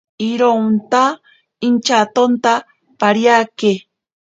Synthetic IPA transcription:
iɾont̪a | int͡ʃat̪ont̪a | paɾjake

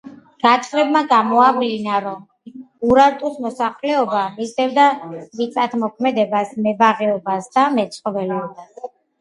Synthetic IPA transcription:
ɡ̥at̪ʼχʼɾɛbmaɡamɔablinaɾɔm | uɾaɾt̪ʼusmɔsaχlɛɔbamisd̪ɛvd̪avit̪sʼat̪ʰmɔkʰmɛd̪ɛbasmɛbaʁɛɔbasd̪amɛt̪sʰʼχʼɔvɛlɛɔbas

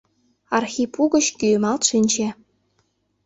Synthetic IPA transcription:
ɑrxʲipuɣɤ̆t͡ɕkymɑlt̪ʃinʲt͡ɕĕ

